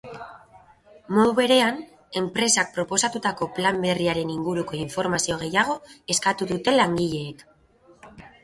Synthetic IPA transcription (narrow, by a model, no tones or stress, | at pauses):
mo̞ðuβe̞ɾe̞an | e̞mpɾe̞sak̚pɾo̞po̞sat̪ut̪ako̞plambe̞riaɾe̞niŋɡuɾuko̞iɱfo̞ɾmasio̞ɣ̞e̞jaɣ̞o̞e̞skat̪uðut̪e̞laŋɡiʎe̞ːk